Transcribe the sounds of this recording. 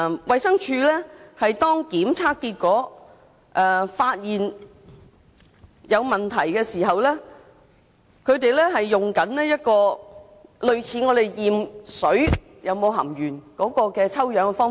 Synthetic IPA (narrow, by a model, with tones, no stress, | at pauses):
wɐ˨jsɐ˥ŋt͡ʃʰyː˧lɛː˥hɐ˨jt̪ɔː˥ŋkiː˨˥mt͡sʰaː˥kkːiː˧t̚kɔː˨˥ | ʔɛː˨˩faː˧t̚jiː˨n | jɐ˨˧wmɐ˨nt̪ʰɐ˨˩jkɛː˧siː˨˩ɦɐ˨wlɛː˥ | kʰɵ˨˧ɥt̪e˨jlɛː˥ɦɐ˨jːʊ˨ŋkɐ˨˥nlɛː˥jɐ˥t̚kɔː˧ | lɵ˨˧ɥt͡sʰiː˨˧ŋɔː˨˧t̪e˨jjiː˨msɵ˨˥ɥ | jʔɐ˨˧wmo˨˧wɦɐ̰˨˩mjyː˨˩nkɔː˨˥kɔː˧kɛː˧t͡sʰɐ˥wjœː˨˧ŋɛ˧fɔː˥